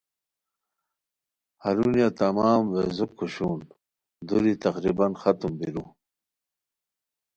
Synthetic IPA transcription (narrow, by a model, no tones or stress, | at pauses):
haɾunjat̪ɐmaːmvḛzukʰːuɕuːn | d̪uɾit̪ɐqɾibɐnxat̪umbiɾu